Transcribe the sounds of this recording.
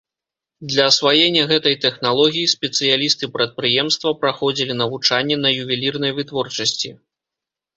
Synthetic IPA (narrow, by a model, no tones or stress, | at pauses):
d̪lʲɐsvajɛnʲːɐɣɛt̪ɐjt̪ɛxnalˠɔɣʲijisʲpʲɛt̪sɨjalʲist̪ɨpɾɐt̪̚pɾɨjɛmst̪vɐpɾaxɔd͡zʲilʲin̪ɐvut͡ʂanʲːɛnɐjuvʲilʲirnɐjvɨt̪vɔrt͡ʂɐsʲt͡sʲi